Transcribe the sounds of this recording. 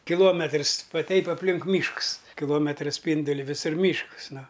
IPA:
kʲɪˈlˠuɔmʲɛtrs ˈʋɐ ˈtʲɛɪp ɐpʲˈlʲɪŋk ˈmʲiːʃks kʲɪˈlˠoːmʲɛtrɐ ˈsʲpʲiːndʊlʲɪ ʋʲɪˈsʊr ˈmʲiːʃks ˈnʊ

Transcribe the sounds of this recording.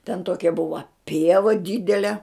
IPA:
tʲɛn ˈtoːkʲɛ ˈbʊʋɐ ˈpʲiɛʋɐ ˈdʲɪdʲɛlʲɛ

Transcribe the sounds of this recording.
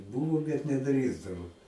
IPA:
ˈbuːʋoː bʲɛt nʲɛˈdʲrʲiːzdɐʋoː

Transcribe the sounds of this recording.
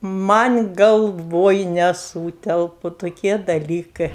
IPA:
ˈmɐnʲ ɡɐlˠˈʋoːj nʲɛˈsuːtʲɛlˠpʊ toːˈkʲiɛ dɐˈlʲiːkɜ

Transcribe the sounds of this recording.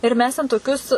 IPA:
ɪr ˈmʲɛs tʲɛn toːˈkʲʊs

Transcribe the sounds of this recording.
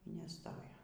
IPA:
iː nʲɛˈstoːjoː

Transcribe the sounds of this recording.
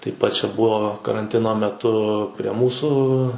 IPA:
tɐɪp ˈpɐt t͡ʃʲɛ ˈbuɔ kɐrɐnʲˈtʲɪnoː mʲɛˈtʊ pʲrʲiɛ ˈmuːsuː

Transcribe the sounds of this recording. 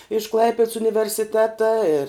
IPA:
ɪʃ ˈklˠɐɪpʲɛts ʊnʲɪʋʲɛrʲsʲɪˈtʲæːtɐ ɪr

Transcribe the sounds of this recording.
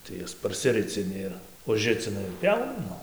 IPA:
tɐɪ ˈjɛs pɐrʲsʲɪˈrʲɪt͡sʲɪnʲɪ ˈɪr ʊʒʲˈrʲɪt͡sʲɪnɐ ɪr ˈpʲjɛʊnɐ ˈnʊ

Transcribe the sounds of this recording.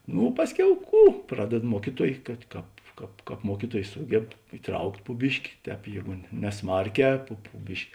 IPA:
ˈnʊ ˈpɑːsʲˌkʲɛʊ ˈkuː ˈprɑːdʲɛt ˈmuɔkʲiːˌtuɔj kɐt ˈkɑːp ˈkɑːp ˈkɑːp ˈmuɔkʲiːˌtuɔj ˈsuːɡʲɛp ɪˈtrɐʊktʲ pʊ ˈbʲɪʃʲkʲɪ ˈtʲɛːp ˈjeːɡʊ nʲɛ nʲɛˈsmɐrʲˌkʲɛː pʊ pʊ ˈbʲɪʃʲkʲɪ

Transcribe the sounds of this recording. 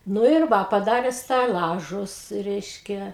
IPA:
ˈnʊ ɪr ˈʋɐ pɐˈdɑːrʲɛ sʲtʲɛˈlˠɑːʒʊs ˈrʲɛɪʃʲkʲɛ

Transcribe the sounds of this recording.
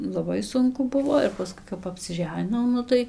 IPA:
lˠɐˈbɐɪ ˈsʊŋkʊ ˈbʊʋoː ɪr pɐˈskʊɪ kɐp ɐpʲsʲɪˈʒʲæːnʲɪnɐʊ ˈnʊ tɐɪ

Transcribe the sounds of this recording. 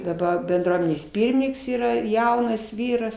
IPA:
dɐˈbɐ bʲɛnˈdruɔmʲɛnʲeːs ˈpʲiːrʲmʲɪnʲɪŋks iːˈrɐ ˈjɛʊnɐs ˈʋʲiːrɐs

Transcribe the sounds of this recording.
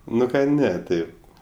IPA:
ˈnʊ kɐ ˈnʲɛ ˈtɐɪp

